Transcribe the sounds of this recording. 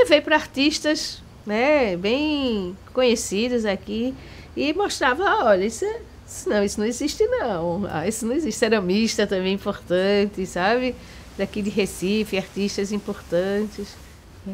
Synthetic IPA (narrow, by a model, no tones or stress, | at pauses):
evejpɾɐaɾt̪iʃt̪ɐs | nɛbẽj̃kõɲesid̪ɐzaki | ɪmoʃt̪ɾavɐɔʎɐisɛ | sʊnɐ̃w̃isʊnɐ̃ɪziʃt̪ɪnɐ̃w̃a̰isʊnɐ̃w̃iziʃt̪ɪɛɾũmiʃt̪ɐt̪ɐ̃mbẽj̃ĩpoɾt̪ɐ̃t̪ɪsabɪ | d̪akid̪ɪɦesifɪaɾt̪iʃt̪ɐzĩpoɾt̪ɐ̃t̪ɪs | nɛ